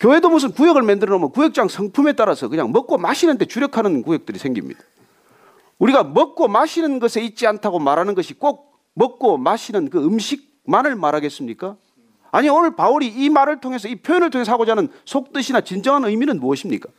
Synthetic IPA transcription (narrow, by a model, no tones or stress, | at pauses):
kjowe̞domus̬ʰɯnkujʌɡɯɭmendɯɾɾomjʌnkujek̚t͡ɕ͈aŋsʰʌŋpʰume̞t͈aɾasʰʌkɯɲa̰ŋmʌk͈omaɕʰinɯnde̞t͡ɕuɾjʌkʰanɯnkujek̚t͈ɯɾisʰe̞ŋɡimɲḭd̥ḁ | uɾiɡamʌk̚k͈omaɕʰinɯnɡʌsʰe̞it̚t͡ɕ͈iantʰaɡomaɾanɯnɡʌɕʰik͈ok̚ | mʌk̚k͈omaɕʰinɯnkɯɯmɕʰik̚ | manɯɭmaɾɦaɡe̞s͈ɯmɲik͈a | aɲioɭpauɾiːmaɾɯɭtʰoŋe̞s̬ʰʌipʰjojʌnɯɭtʰoŋe̞s̬ʌaɡod͡ʑanɯnsʰok̚t͈ɯɕʰinat͡ɕind͡ʑʌŋɦanɯjminɯnmuʌɕʰimɲḭk͈a